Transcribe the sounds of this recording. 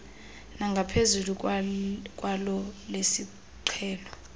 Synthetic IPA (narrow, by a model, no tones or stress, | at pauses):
naŋɡʱapʰezuluk | kʼwalɔlesi | ǀʰɛːlɔ